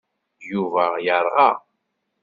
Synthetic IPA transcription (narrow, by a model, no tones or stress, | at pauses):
juvæjəɾˤʁɑ